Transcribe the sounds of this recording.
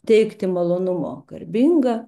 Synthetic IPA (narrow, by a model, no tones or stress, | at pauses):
t̪ʲɛɪkt̪ʲɪmɐlˠoːnʊmo̰ːkɐrʲbʲiŋɡɐ